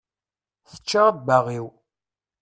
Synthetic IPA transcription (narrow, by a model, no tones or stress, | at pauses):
θə̥t͡ʃːabaʁiw